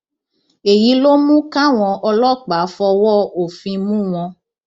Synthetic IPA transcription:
e˨ji˨˦lo˦mũ˦ka˦w̃ɔ̃˧ʔɔ˧lɔ˦˨k͡pa˨˦fɔ˧wɔ˦˨o˨fĩ˧mũ˦w̃ɔ̃˧

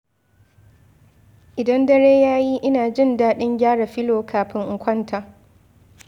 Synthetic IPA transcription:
ʔɪ˨dɐ˦ndɐ˦ɽeː˦jaː˦ji˦ʔɪ˦naː˨d͡ʒɪ˦˨ndaː˦ɗɪ˦ŋɡʲaː˦ɽa˨ɸɪ˦loː˨kʰaː˨ɸɪ˦ŋʔ̩˨kʷɐ˦ntʰaː˨

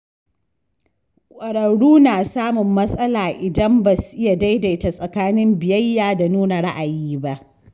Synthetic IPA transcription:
kʷʼɐ˨ɽɐ˨ɽuː˦naː˨saː˦mʊ˨mːɐ˦sʼɐ˦laː˨ʔɪ˨dɐ˦mba˨su̥˨ʔɪ˦ja˨da˦jda˨ɪ˦ta˨sʼɐ˨kaː˦nɪ˦mbɪ˨jɐ˦jːaː˨da˨nuː˦na˨ɽa˦ʔa˨jiː˦ba˦ʔ

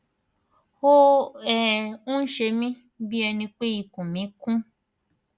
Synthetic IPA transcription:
ho˦ɛ˦ũ˦n̩˦ʃe˧mĩ˦ | bi˦ɛ˧nĩ˧k͡pe˦i˧kũ˨mĩ˨˦kũ˦

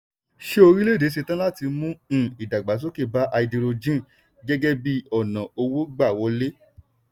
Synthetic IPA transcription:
ʃe˦o˧ɾĩ˦le˦˨de˨˦s̬e˧tã˦la˦ti˧mũ˦˨i˨da˨ɡ͡ba˨t̬o˦ke˦˨ba˦ʔa˧i˧di˧ɾo˧d͡ʒĩ˦˨ | ɡɛ˦ɡɛ˦bi˦ɔ˦˨nã˨o˧wo˦ɡ͡ba˦˨wɔ˨˦le˦

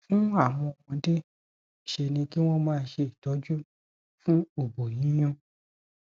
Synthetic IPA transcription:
fũ˦a˦˨w̃ɔ̃˧wɔ̃˧de˦˨ | ʃe˧nĩ˧ki˦w̃ɔ̃˦mãː˦˧n˦ʃe˧i˨tɔ˨˦d͡ʒu˦ | fũ˦o˦˨bo˨jĩ˨˦j̃ɔ̃˧

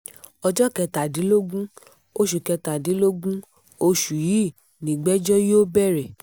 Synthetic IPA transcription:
ɔ˧d͡ʒɔ˦kɛ˧ta˨di˨˦lo˦ɡũ˦ | o˧ʃu˨kɛ˧ta˨di˨˦lo˦ɡũ˦ | o˧ʃu˨ji˨˦˨ | nĩ˨ɡ͡bɛ˦d͡ʒɔ˦jo˦bɛ˦˨ɾɛ˨

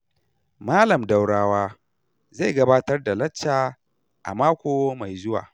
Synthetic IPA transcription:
maː˦lɐ˨mda˨wɽaː˦waː˦ | za˦˨jɡɐ˦baː˦tɐ˦rda˨lɐ˦t͡ʃːaː˨ | ʔa̰˨maː˦kʷoː˦ma˨jzʊ˦wa̰ː˨

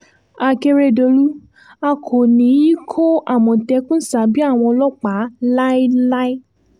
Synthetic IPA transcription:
a˨ke˧ɾe˧do˧ɾu˦ | a˧kʰo˨nĩ˨˦ji˦kʰo˦ʔa˦˨mɔ̃˨tɛ˧˦kũ˦sa˨˦bi˦a˦˨w̃ɔ̃˧ɔ˧lɔ˦k͡pa˨˦la˦i˦la˦i˦

